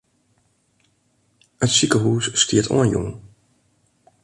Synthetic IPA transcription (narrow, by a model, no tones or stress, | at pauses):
ətsikəɦuːsːtiətʰɔ̰nənjɔ̰ŋ